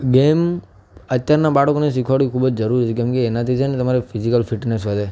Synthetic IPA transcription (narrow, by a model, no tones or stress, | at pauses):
ɡem | ət̪ːjaɾnabaɽəkones̬ikʰʋaɽikʰubəd͡ʒd͡ʒəɾuɾt͡ʃʰekemkeːnat̪ʰit͡ʃʰenet̪əmaɾefʰizikəlfʰiʈnesʋəd̪e